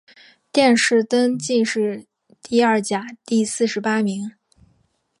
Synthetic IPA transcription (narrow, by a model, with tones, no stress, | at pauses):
t̪jɛ˥˧nʂɻ̩˥˩t̪ə˥nt͡ɕi˥˧nʂɻ̩˥˧ | t̪i˥˧ɐ˥˩t͡ɕja˨˩t̪i˥˧sɹ̩˥˩ʂɻ̩˧˥pa˥mi˧˥ŋ